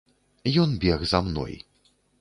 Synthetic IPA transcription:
jɔnbʲɛɣzamnɔ̰j

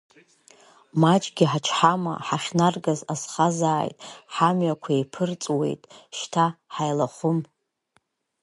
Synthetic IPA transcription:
mat͡ʃʼɡʲiħat͡ʃʰħama̰ħaχnarɡazazχazaːjtʼħamɥakʷʰaepʰɨrt͡sʼwe̞̰jtʼʃtʰaħajlaχʷʊm

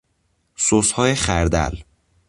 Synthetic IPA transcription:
soshɒːjexæɾd̪æ̰l

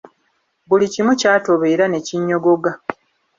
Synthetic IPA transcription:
bulicimucaːto̞βe̞ːɾane̞ciɲːo̞ɡo̞ɡa

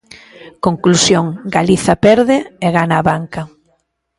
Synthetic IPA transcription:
koŋklusjoŋɡaliθɐpɛɾðɪeɣanaːβaŋkɐ

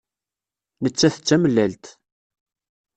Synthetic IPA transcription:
nət͡sːæθə̥t͡sːæməlːælt̪

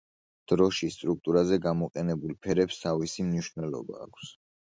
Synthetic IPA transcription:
d̪̥ɾɔʃist̪ʼɾuk̚t̪ʼuɾazɛɡamɔqʼɛnɛbulˠpʰɛɾɛpst̪ʰavisimniʃnɛlˠɔ̰ba̰ːkʷʰs

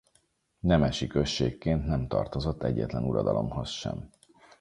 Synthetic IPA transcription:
nɛmɛʃikø̞ʃːeːkːeːnt̪nɛmt̪ɒrt̪o̞zo̞t̪ːɛɟːɛt̪lɛnuɾɒd̪ɒlo̞mho̞sʃɛ̰m

